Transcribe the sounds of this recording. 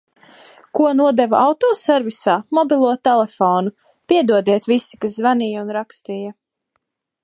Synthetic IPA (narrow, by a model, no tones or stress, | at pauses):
kuɔnuɔd̪ɛvaawt̪ɔːsɛɾvisaːmɔbilˠuɔt̪ɛlˠɛfɔːnu | piɛd̪uɔd̪ɛɛt̪visi̥kaszvaniːjaunɾakst̪iːja